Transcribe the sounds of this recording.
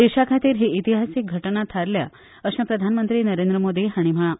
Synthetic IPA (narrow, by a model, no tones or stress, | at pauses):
eʂakʰat̪iːɾɦeit̪iɦasik̚ɡʱəʈɳat̪ʰaɾlja̰ | əʃãpɾəd̪ʱanmənt̪ɾinəɾend̪ɾəmod̪iɦaɽ̃im̤əɭa